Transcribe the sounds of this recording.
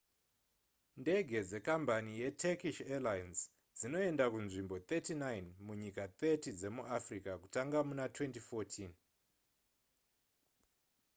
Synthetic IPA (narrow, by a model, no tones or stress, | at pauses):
nde̞ɡʱe̞d͡ze̞kambanije̞tʰekiʃelajnz | d͡zino̞e̞ndakunʐimbo̞t̪etinajnmuɲikat̪etid͡ze̞muʔafrikaku̥taŋɡamunatwe̞ntifoːtʰin